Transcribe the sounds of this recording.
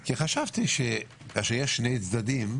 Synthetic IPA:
kiχaʃavt̪iʃe | kaʃejɛʃːnejt͡sd̪ad̪im

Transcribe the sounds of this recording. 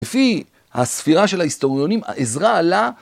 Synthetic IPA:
efi | ha̰sfiʁaʃe̞lhaist̪o̞ʁjo̞nima̰ʔezʁaːla

